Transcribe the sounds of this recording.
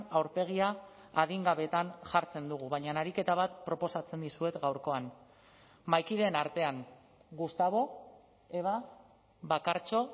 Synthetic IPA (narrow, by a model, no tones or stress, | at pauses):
awɾpe̞ɣ̞iaː | ðiŋɡaβe̞t̪anʝaɾt͡se̞nd̪uɣ̞uβajɲanaɾike̞t̪aβ̞at̪pɾo̞po̞sat͡se̞nd̪isue̞t̪ɡawɾko̞an | majkiðe̞ːnaɾt̪e̞aŋ | ɡust̪aβ̞o̞ | e̞βa | βakaɾt͡ʃo̞